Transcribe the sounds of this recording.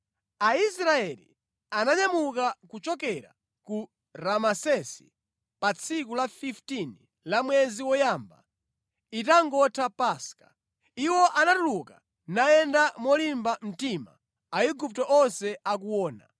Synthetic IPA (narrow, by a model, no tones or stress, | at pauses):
ais̬ɾaɛlḭ | anaɲamukakut͡ʃɔk̬ɛɾa̰ | ku | ɾamasɛsi̥ | pat͡sʰikulafiftini | lamwɛziwɔjamba̰ | itaŋɡɔtʰapaskḁ̰ | iwɔʔanatuluka | naɛndamɔlimbam̩tima̰ | aiɡup̚tɔʔɔnsɛak̬uwɔːna̰